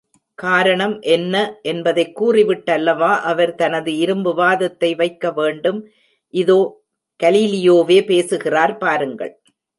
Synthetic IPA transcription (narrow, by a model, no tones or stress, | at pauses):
kaːɾɐɳɐmʔɛnːɐʔɛnbɐðɐɪkːuːrɪʋɪʈːɐlːɐʋaːʔɐʋɐɾt̪ɐnɐðɯɪɾɯmbɯʋaːðɐt̪ːɐɪʋɐɪkːɐʋeːɳɖɯm | ʔɪðoː | ɡ̥ɐliːlɪjoːʋeːpeːsɯɣɪraːɾpaːɾɯŋɡɐ̰ɭ